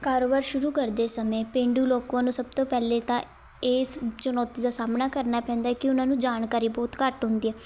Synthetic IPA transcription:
kaːɾoːbaːɾʃʊɾuːkəɾd̪eːsəmeːpẽːɳɖuːloːkãːnũːsəb̚t̪õːpɛːleːt̪ãː | eːst͡ʃənɔːt̪iːd̪aːsaːmnaːkəɾnaːpɛ̃ːnd̪aːɛːkɪʊnãːnũːd͡ʒaːnkaːɾiːbɔːt̪kəʈɦʊ̃nd̪iːɛː

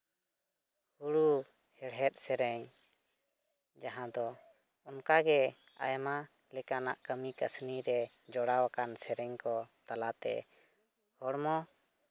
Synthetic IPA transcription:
huɽu | hɛɽɦɛt̪̚ˀsɛɾɛɲ | d͡ʒaɦãd̪ɔ | ɔnkaɡɛ | a̰jma | lɛkanaʔkəmikəsniɾɛ | d͡ʒɔɽawakansɛɾɛɲkɔt̪alat̪ɛ̰ | hɔɽmɔ

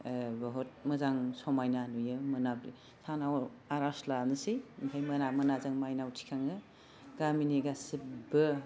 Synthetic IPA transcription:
bɔɦɔt̚mɯzaŋsɔmajnanujɯmɯnabɾḭ | sanaw | aɾaslanɯsimpʰajmɐnamɯnazaŋmajnawtʰi̥kʰaŋɯ | ɡaminiɡasibɯ

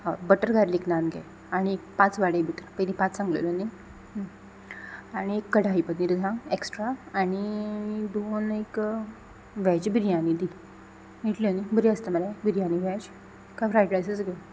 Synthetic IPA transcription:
ɦabəʈəɾɡʱaɾliknanɡɛ̰ | aɽ̃iekpãt͡sʋaɽebʱit̪ɾpəjd̪ipãt͡ssãŋɡlḛloni | aɽ̃iekːəɽaɦipəd̪niɾd͡z̪ʱãŋeksʈɾaːɽ̃id̪onek | ʋɛd͡ʑbʱiɾijãnid̪i | niʈlonibəɾiəst̪əməlabʱiɾijãniʋɛd͡ʑ | kajfɾajʈɾajsət͡sɡə

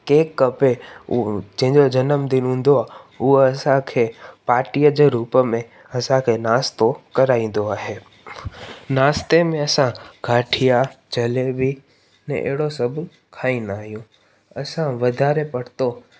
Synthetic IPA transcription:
keːkːɐpe | d͡ʑɐ̃ɦɪ̃ɲd͡ʑod͡ʑɐnəmd̪ɪnɦũːn̆d̪oaːuɦoɐsãkʰeːpaːɾʈijəd͡ʑeːɾuːpəmẽ | ɐsãkʰeːnaːst̪okɐɾaːĩːn̆d̪oaːɦeː | naːst̪emẽɐsãɡʱaːʈʰijat͡ɕɐlebi | nɛ̰̃ʔḛɦɪɽosɐbʱ | kʰaːĩnaːɦijũ | ɐsãʋɐd̪ʱaːɾepɐɽ̤t̪o

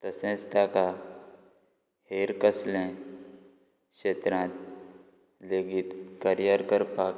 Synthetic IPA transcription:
t̪ɐsẽst̪aːka | heːɾkəslẽ | kʃeːt̪ɾãːt̪ | leːɡit̪kəɾjəɾkəɾpaːk

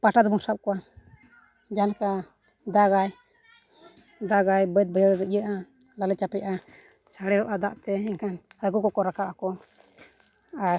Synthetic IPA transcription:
paʈad̪musap̚kɔa | d͡ʒanaka | d̪aɡaj | d̪aɡajbət̪̚bəjəɾɾəʔjəʔa | lalɛt͡ʃapɛʔa | saɽɛɾɔʔad̪a̰ʔt̪ɛiŋkʰanhaɡukɔkɔɾakaʔakɔ | a

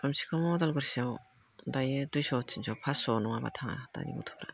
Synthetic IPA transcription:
ɾamsi̥kʰɔmɔd̪alɡɯɾsiaw | dajed̪ujsɔt͡ʃʰinsɔpʰasɔnɔŋaba̰t̪ʰaŋa̰d̪a̰nḭmṵt̪ʰɔ̥ɾa̰

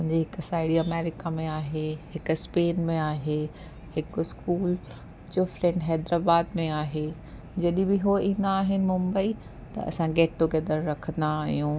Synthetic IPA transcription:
mʊ̃ɦɪ̃ɲd͡ʑeɦɪksaːɪɽiɐmɛːɾɪkamẽaːɦeɦɪkʊspeːnmẽaːɦe | hɪkɪskuːl | t͡ɕoːfɾẽɳɖɦɛːd̪ɾaːbaːd̪mẽaːɦe | d͡ʑɐɗɪ̃bɪɦoĩːn̆d̪aːɦɪnɪ̆mʊ̃mbəi | t̪ɐ̰ɐ̰sãɡeːʈːoɡɛd̪əɾɾɐkʰə̃nd̪aːɦijũː

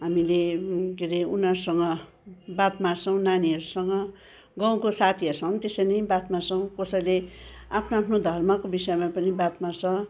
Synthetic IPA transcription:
ɦamilekeɾeunʌrsʌŋɡʌ | bat̪marsʰʌw̃naniɦʌɾusʌŋɡʌ | ɡʌw̃kosat̪ʰiʌsʰʌw̃nt̪esʌjnʌjbat̪marsʌw̃kʌsʌjleapʰnoapʰnod̪ʱʌrmʌkobisʌjmapʌnibat̪mart͡sʰʌ

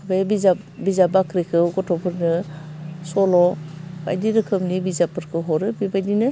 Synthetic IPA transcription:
bebiza | bizabakɾikʰɯɡɔtʰɔpʰɯɾnɯ | sɔlɔba̰jdiɾɯkʰɯmnibizapɯɾkʰɯɦɔɾɯbibajdinɯ

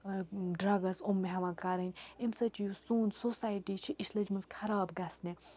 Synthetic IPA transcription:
ɖɾɐɡɐsumːeɦɐʋãːkaɾənʲimsɐt͡ʃʰjusuːnsosaːjʈit͡ʃʰiʔiʃlɐd͡ʒmɐnzkʰɐɾaːbɡɐsnʲe

